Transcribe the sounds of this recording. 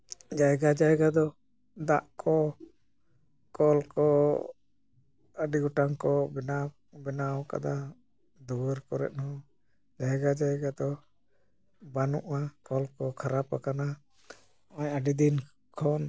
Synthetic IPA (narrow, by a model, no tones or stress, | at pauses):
d͡ʒajɡad͡ʒajɡad̪ɔ | d̪a̰ʔkʰɔ | kɔlkɔ | aɖiɡɔʈaŋkɔbɛna | bɛnaɔka̰d̪a | d̪uɾkɔɾɛ̰t̪̚hɔ̃ | d͡ʒajɡad͡ʒajɡad̪ɔ | banṵʔakɔlkɔkʰaɾapakana | ɔɲaɖid̪in | kʰɔn